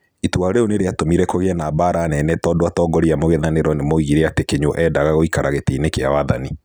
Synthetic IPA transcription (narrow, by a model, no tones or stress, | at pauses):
itwaɾeoneɾeatomiɾɛkoɣeɛnaːbaɾanɛnɛtɔːdoatɔːŋɡɔɾiamoɣeðaneɾɔnemoiɣiɾeatekeɲoʔɛdaɣaɣoikaɾaɣeteinekeawaðani